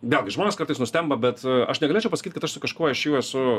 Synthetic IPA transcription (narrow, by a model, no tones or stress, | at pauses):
ʋʲeːlˠɡʲɪʒmoːnʲeɛskɐɾt̪ɨɪsnʊsʲt̪ʲɛmbɐbʲɛt̪ɐ̰ʃnʲɛɡɐlʲeːt͡ʃʲɛʊpɐsɐ̥kiːt̪̚ʲkɐt̪ɐʃsʊkɐʃkuɔɪʃʲeːjɛɛsʊ